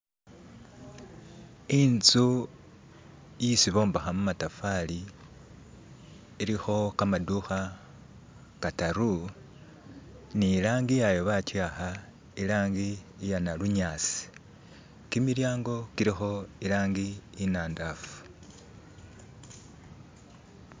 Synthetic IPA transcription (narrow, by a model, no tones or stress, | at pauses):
int͡su | jisiβo̞ːmbaxamumatafali | ɾixo̞kamaduxa | kataɾu | niːlaːŋɡijajo̞βatwaxa | ilaːŋɡiː | janaluɲaːt͡si̥ | kimiɾjaːŋɡo̞kiɾixo̞ilaːŋɡiːnaːndafu̥